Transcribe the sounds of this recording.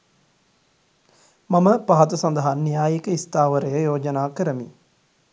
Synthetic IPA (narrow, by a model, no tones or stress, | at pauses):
mɐməpaɦɐt̪ɐsɐnd̪ɐɦanːijaːjikəist̪aːʋəɾɐjəjoːd͡ʒɐnaːkəɾəmi